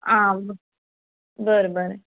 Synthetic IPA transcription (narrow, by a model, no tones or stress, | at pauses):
ãːbə | bəɾebəɾe